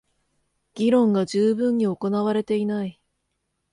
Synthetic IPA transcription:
ɡ̥ʲiɾõ̞ŋɡad͡ʑɨːbɯ̟̃ɲ̟ːio̞ko̞naβaɾe̞t̪e̞inai

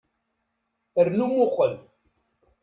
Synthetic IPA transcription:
əɾnumʊχəl

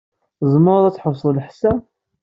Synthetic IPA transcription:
zˤməɾˤðˤæt͡sːħəsˤːləħsæ

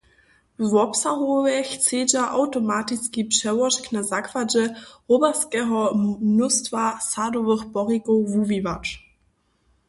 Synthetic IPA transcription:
vɔpsaʁovɛçt͡seːd͡ʒaʔaʊtomaːtiskipʃɛvɔʃknazakv̥ad͡ʒəʁobɛskɛɦɔnʊstv̥asadovəχb̥ɔʁikovuvivat͡ʃ

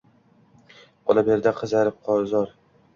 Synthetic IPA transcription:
ɒlabeɾd̪aqʰɨzaɾɪp̚qʰɒɾzɒɾ

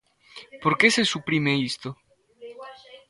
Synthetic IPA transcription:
poɾkesesupɾimeist̪o

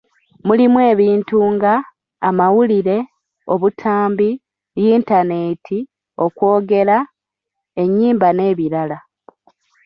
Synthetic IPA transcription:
mulimwe̞ːβiːntuŋɡaː | mawuliɾe̞ | o̞βutʰaːmbi | jiːntane̞tʰi | o̞kwo̞ːɡe̞la | e̞ɲːiːmbane̞ːβiɾala

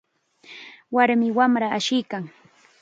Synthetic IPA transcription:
waɾmɪwamɾaaʃɪjkaŋ

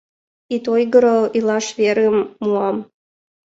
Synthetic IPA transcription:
it̪ojɡəɾɤlilˠɑʃveɾəmːuɑm

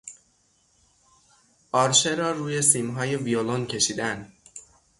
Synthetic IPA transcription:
ʔɒːɾʃe̞ɾɒːɾuːje̞siːmɦɒːje̞violoncʰe̞ʃiːd̪ænd̪

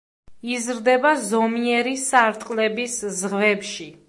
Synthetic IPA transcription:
izɾd̪ɛbazɔmiɛɾisaɾt̪ʼqʼlɛbiszʁvɛpʃi

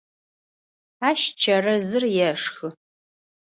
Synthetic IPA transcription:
aːʃt͡ʃʰɐrɐzɨrjɛʂxɨ

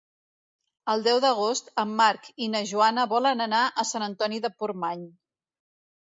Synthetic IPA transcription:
əlˠd̪ɛwðəɣ̞ost̪əmːaɾkinəʒuanəβɔlənənaʔəsanənt̪ɔniðəpurmaɲ

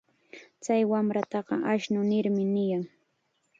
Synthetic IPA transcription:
t͡sajwamɾat̪ɑɢɑ̰ʔaʃnʊnɪɾmɪnɪjaŋ

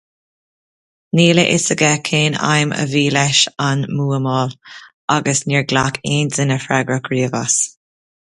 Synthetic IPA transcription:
niːləʔɪ̰səɡɛkʰeːna̰jmʔə̰viːlɛʃanmuːəmɔːl | aɡəsniːɹɡlakʰeːnzɪnəfɹɛɡɹəkɹiːəvas

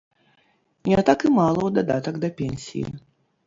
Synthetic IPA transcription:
nʲɛat̪akɨmalˠɐwd̪ad̪a̰t̪ɐɡd̪ɐpʲenʲsʲḭjḭ

